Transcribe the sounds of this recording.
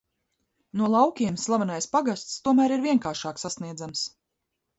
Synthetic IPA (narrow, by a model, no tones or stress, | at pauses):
nuɔlˠawkʲiɛmslˠavanajspaɡast̪st̪uɔmæːɾiɾviɛŋkaːɾʃaːksasniɛd̪zams